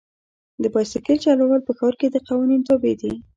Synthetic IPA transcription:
d̪əbɑjsɪkelt͡ʃɑlawɑlpəxɑɾked̪əqɑwɑnint̪obed̪i

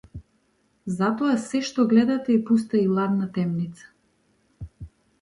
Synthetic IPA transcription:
zat̪ɔasɛʃt̪ɔɡlɛd̪at̪ɛipust̪ailˠad̪nat̪ɛmnit̪sḁ

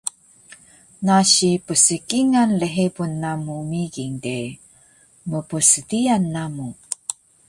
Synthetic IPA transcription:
naɕipəsəkiŋanləɦebunːamumiɡiŋde | məpəsədianːamu

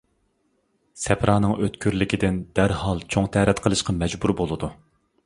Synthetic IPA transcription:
sɛpʰɾɑːnɨŋøt̪kʲʰyɾlɪkʲid̪ɪnd̪æɾhɑlˠt͡ʃʰoŋt̪ʰæɾɛt̪qʰəlˠɨʃqʰɑmɛd͡ʒbuɾbolˠɨd̪u

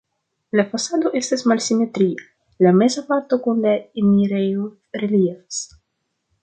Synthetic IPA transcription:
lafasad̪oʔest̪asmalsimet̪ɾia | lamezapaɾt̪okunlaemiɾejo | ɾeliefḁs

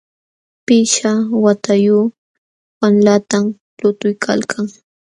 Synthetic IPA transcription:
pɪʃawat̪ajuː | wanlat̪am | lʊt̪ʊjkʰa̰lkʰaŋ

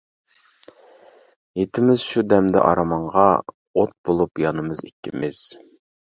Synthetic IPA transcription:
jet̪ʰɪmɪzʃud̪ɛmd̪ɪ̰ʔɑ̰ɾɑmɑɴʁɑ | ot̪̚b̥olˠupjɑnɨmɨzḭkʲːɪmɪz̥

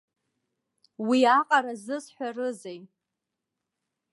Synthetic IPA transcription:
wiaqʼaɾazɨsħʷᶣarɨzej

